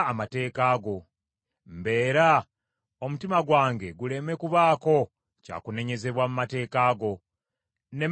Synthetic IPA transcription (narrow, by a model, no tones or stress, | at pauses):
mate̞ːkaːɡo̞ | mbe̞ːɾa | omutimaɡwaːŋɡe̞ɡule̞me̞kuβaːko̞ | ca̰ːkune̞ɲe̞ze̞βwamumate̞ːkaːɡo̞ | ne̞